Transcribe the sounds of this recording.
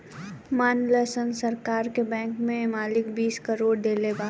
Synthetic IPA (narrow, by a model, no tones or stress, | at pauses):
maːnləsənsɐɾkaːɾkebɛ̃ːŋkmẽmaːlɪkbiːskəɾoːɽɖ̪eːlebaː